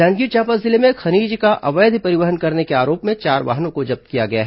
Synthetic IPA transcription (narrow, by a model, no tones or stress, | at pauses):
ɛ̃ːŋɡiːt͡ʃaːpəszɪlemẽxɐniːd͡ʒkaʔɐʋəːd̪ʱpɐɾɪʋəɦənkɐɾnekeaːɾoːpmẽt͡ʃaːɾʋa̰ɦnõkod͡ʒɐb̚t̪̚kijaɡɐjaɦɛ